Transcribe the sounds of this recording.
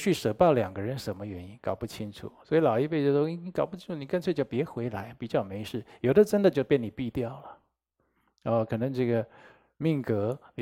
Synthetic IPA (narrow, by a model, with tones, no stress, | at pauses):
t͡ɕʰy˥˩ʂɤ˧˥pɑ˥˩ʊljɑ˨˩ŋɡə˦ɻə˧˥nʂə˧˥nmə˧ɥɛ˧˥ni˥nkɑ˨˩ʊpu˥˩t͡ɕʰi˥ŋʈ͡ʂʰṵ˨˩˦swɔ˧˥i˧˥lɑ˨˩ʊi˥˧we˥˧ɪt͡ɕjo˥˩ʊʂwi˧˩i˥kʊpu˥t͡ɕʰi˥nʈ͡ʂʰu˨˩ni˨˩kə˥˧t͡swt͡ɕjo˥˩ʊpjɛ˧˥xwe˧˥ɪla˧˥ɪ˧pi˨˩t͡ɕjɑ˥˩ʊme˧˥ɪʂɻ̩˥˩jo˨˩ʊd̪ə˦ʈ͡ʂə˥nd̪ə˨t͡ɕjo˥˧ʊpjɛ˥˩ni˨˩pi˥˧t̪jɑ˥˩ʊlə˩ | ɔ˥˧kʰɤ˨˩nɤ˧˥ŋʈ͡ʂɤ˥˩ɡə˩ | mi˥˩ŋkɤ˧˥˨